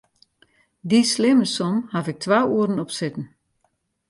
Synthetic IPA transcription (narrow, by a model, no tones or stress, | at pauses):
dislɪməsɔmhafɪk̚tʰʋaːuəɾn̩ɔpsɪtn̩